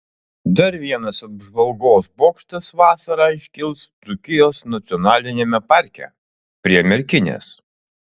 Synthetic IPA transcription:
d̪ɐɾʋʲiɛnɐsɐbʒʋɐlˠɡoːsboːkʃʲt̪ʲɐsʋɑːsɐɾɑːɪʃʲkʲɪlˠst̪ʊkʲɪjoːsnɐt̪sʲɪɔnɑːlʲɪnʲeːmʲɛpɑˑɾʲkʲɛ̰ | pʲɾʲiɛmʲɛɾʲkʲɪnʲḛːs

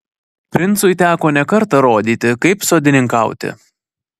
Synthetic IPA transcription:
pʲɾʲɪnt̪sʊɪt̪ʲæːkoːnʲɛkɐɾt̪ɐɾoːd̪ʲiːt̪ʲɪkɐɪpsoːd̪ʲɪnʲɪŋkɐʊt̪ʲɪ̰

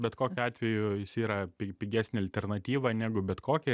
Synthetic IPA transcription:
bʲɛt̪koːkʲʊɑːt̪ʲʋʲɛjʊjɪsiːɾɐpʲɪpʲɪɡʲæːsʲnʲɪɐlʲt̪ʲɛrnɐt̪ʲiːʋɐnʲæːɡʊbʲɛt̪koːkʲɛ

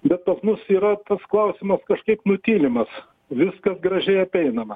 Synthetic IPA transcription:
bʲɛt̪̚pɐsmʊsiːɾɐt̪ɐsklˠɐʊsʲɪmɐskɐʃkɐɪpnʊt̪ʲiːlʲɪmɐs | ʋʲɪskɐsɡɾɐʒʲɛɪɐpʲɛɪnɐmɐ

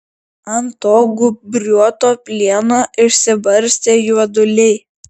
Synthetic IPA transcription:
ɐnt̪oːɡʊbʲɾʲuɔt̪oːpʲlʲiɛnoːʔɪʃʲsʲɪbɐɾʲsʲt̪ʲeːjuɔd̪ʊlʲɛɪ

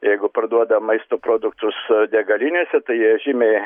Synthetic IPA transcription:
jɛɪɡʊpɐrd̪uɔd̪ɐmɐɪst̪oːpɾoːd̪ʊkt̪ʊsd̪ʲɛɡɐlʲinʲusʲɛt̪ɐɪjiɛʒʲɪmʲe

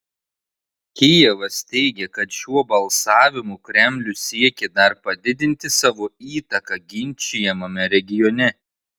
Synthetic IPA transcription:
kʲɪjɛʋɐst̪ʲɛɪɡʲɛkɐt̪ʃʲuɔbɐlˠsɑːʋʲɪmukɾʲɛmʲlʲʊsʲiɛkʲɛd̪ɐɾpɐd̪ʲɪd̪ʲɪnʲt̪ʲɪsɑːʋoiːt̪ɐkɐɡʲɪnʲˑt͡ʃʲɪjɛmɐmʲɛɾʲɛɡʲɪjɔnʲɛ

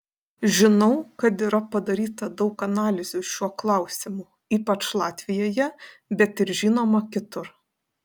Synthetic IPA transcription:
ʒʲɪnɒʊkɐt̪iːɾɐpɐd̪ɐɾʲiːt̪ɐd̪ɒʊkɐnɑːlʲɪzʲʊʃʲuɔklˠɐʊsʲɪmʊ | iːpɐt͡ʃlˠɑːt̪ʲʋʲɪjoːjɛ | bʲɛt̪ɪɾʒʲiːnoːmɐkʲɪt̪ʊɾ

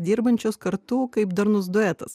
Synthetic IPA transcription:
d̪ʲiːɾbɐnʲt͡ʃʲoːskɐɾt̪uːkɐɪpd̪ɐɾnʊz̬d̪ʊɛːt̪ɐs

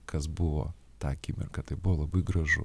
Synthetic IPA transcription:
kʰɐsbʊʋo̰ː | t̪ɑːkʲɪmʲɪ̰rkɐt̪ɐɪbʊʋoːlˠɐbɐɪɡɾɐʒʊ̰

